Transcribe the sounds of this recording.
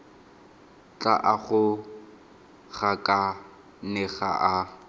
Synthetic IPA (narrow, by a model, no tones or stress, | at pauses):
t͡ɬaʔaɣʊ | ɣakʼa | nɛɣa̰ʔa